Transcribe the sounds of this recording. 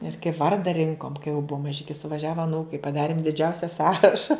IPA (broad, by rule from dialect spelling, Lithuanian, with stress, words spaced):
ɪr kɐɪp ˈʋɐrdɐ ˈrʲɪŋkoːm kɐɪ jɛʊ ˈbʊɐ mɐˈʒʲɪkʲɪ sʊʋɐˈʒʲæːʋɐ ɐˈnuːkɐɪ pɐˈdɑːrʲɪm dʲɪˈd͡ʒʲɛʊsʲɛ ˈsɑːrɐʃɐ